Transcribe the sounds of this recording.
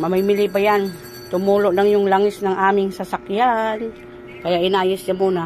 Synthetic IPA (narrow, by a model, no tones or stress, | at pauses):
mamamilɪʔpajan | t̪ʊmulʊʔnaŋjʊŋlaŋɪsnaŋʔamɪŋsasakjan | kajaʔinajɪsjamuːna